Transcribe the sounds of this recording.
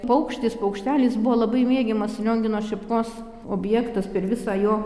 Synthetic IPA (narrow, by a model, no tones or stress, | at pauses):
pɐʊkʃʲt̪ʲispɐʊkʃʲt̪ʲæːlʲiːsbʊʋoːlˠɐbɐɪmʲeːɡʲɛmɐslʲoːŋʲɡʲɪnoːʃʲɛpkoːs | oːbʲjɛːkt̪ɐspʲɛrʋʲɪsɑːjoː